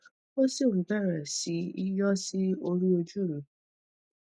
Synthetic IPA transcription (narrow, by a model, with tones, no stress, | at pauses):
o˦sĩ˦˨tɛ˦˨ɾɛ˨si˨˦i˦jɔ˦si˦o˧ɾi˦o˧d͡ʒu˦˨lũ˨˦